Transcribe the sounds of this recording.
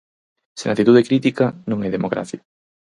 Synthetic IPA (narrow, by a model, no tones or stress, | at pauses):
senat̪it̪uðekɾit̪ikɐnõŋɛðemokɾa̰θja